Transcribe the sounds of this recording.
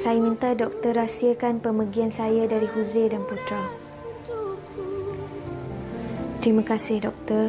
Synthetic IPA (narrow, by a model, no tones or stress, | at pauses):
sajamĩnt̪adɔk̚t̪ərasiakanpəməɡiansajadaɾiɦuzedanput̪ɾa | t̪ɾimãkasɪhdɔk̚t̪ə